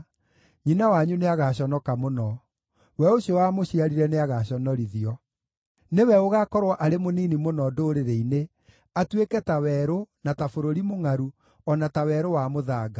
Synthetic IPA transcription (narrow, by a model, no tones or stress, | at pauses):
ɲinawaɲuneaɣaɕ̬ɔnɔkamonɔ | wɛoɕjɔwamoɕiaɾiɾɛneaɣaɕɔnɔɾiðiɔ | newɛoɣakɔɾwaʔaɾemoniːnimonɔdoɾeɾeine | atwekɛtawɛɾonatafoɾoɾimoŋaɾu | ɔnatawɛːɾowamoðaːɡa